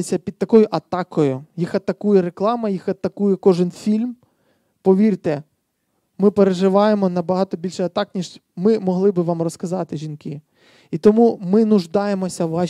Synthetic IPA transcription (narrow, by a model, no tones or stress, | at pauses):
sʲɐpʲid̪̚t̪ɐkɔjʊʔɐt̪ɑkɔjʊjixɐt̪ɐkujɛɾeklˠɑmɐjixɐt̪ɐkujɛkɔʒɪnfʲilʲm | pɔʋʲirt̪ɛ | mɪpeɾeʒɪʋɑjemɔnɐbɐɦɑt̪ɔbʲilʲʃɛjɐt̪ɑknʲiʒmɪmɔɦlˠɪbɪʋɑmrɔskɐzɑt̪ɪʒinkɪ | it̪ɔmumɪnʊʒd̪ɑjemɔsʲɐʋɑ